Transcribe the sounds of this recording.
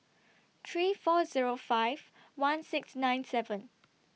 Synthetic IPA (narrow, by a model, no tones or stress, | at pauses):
t̪ʰɹiːfɔziɹofaɪv | wãnsɪksnãɪ̃nsɛvə̃n